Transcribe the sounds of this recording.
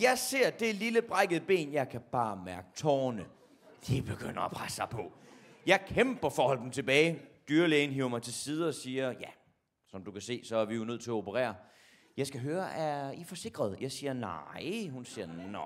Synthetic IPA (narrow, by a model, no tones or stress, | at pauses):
jɑ̈ɪse̝ɐ̰d̥e̝liləb̥ʁɑɪɡ̥əð̩ˠəb̥e̝̰ːnjɑ̈ɪkʰæb̥ɑ̈ːmæɐɡ̥ə̥t͡sʰɒ̰ːnə | d̥eb̥e̝ɡ̥øn̰ɐɒpʰʁasːɑ̈ɪpʰɒ̽ | jɑ̈ɪkʰemb̥ɐfɒːhɒ̽l̰d̥n̩t͡sʰe̝b̥ɛːɪd̥yːɐleːn̩ɦiʊ̰ɐmɑ̈ɪt͡sʰe̝lsiːð̞ˠəɒ̽siːɐjæ | sɒ̽md̥ukʰæse̝̰ːsɒ̽æɐʋijo̝nøð̰ˠt͡sʰe̝læo̝pʰəʁɛ̰ːɐ | jɑ̈ɪsɡ̥æɦøːɐʔæifɒ̽se̝ɡ̥ʁɐð̞ˠjɑ̈ɪsiːɐnɑɪhunsiːɐnɒ